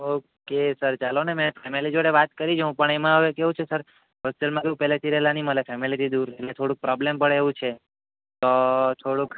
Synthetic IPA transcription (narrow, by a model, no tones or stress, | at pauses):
okesəɾt͡ʃalonemẽpʰemilid͡ʒoɽeʋat̪kəɾid͡ʒɦũpəɳemãəʋekeɦũt͡ʃʰesəɾ | ɦosʈelmãkeũpɛɦlet̪ʰiɾəɦelaniməlefʰemilit̪ʰid̪uɾelet̪ʰoɽũk̚pɾɔblempəɽeʋũt͡ʃʰe | t̪ot̪ʰoɽũk